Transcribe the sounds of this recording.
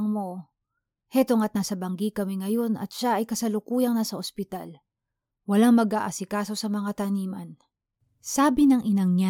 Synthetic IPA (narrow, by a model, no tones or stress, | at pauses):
ŋmo̞ | hɛt̪oŋɐt̪̚nɐsɐbɐŋɡikɐmɛŋɐjo̞nɐ̰t̪̚ʃaʔɐjkɐsɐlʊkuːjɐŋnɐsɐʔospɪt̪al | wɐlaŋmɐɡaʔasɪkaːso̞sɐmɐŋat̪ɐniːmɐn | saːbɪnɐŋʔɪnɐŋɲa